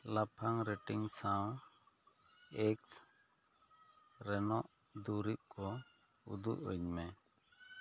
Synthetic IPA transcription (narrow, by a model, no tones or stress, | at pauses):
lapʰaŋɾɛʈiŋsaw | ɛks | ɾɛnɔʔ | d̪uɾiʔ̚kɔ | ṵd̪ṵʔṵɲmɛ